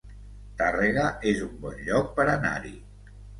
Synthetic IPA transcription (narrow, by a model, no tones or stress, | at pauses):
t̪areɣaʔezumbɔnʎɔk̚pəɾana̰ɾḭ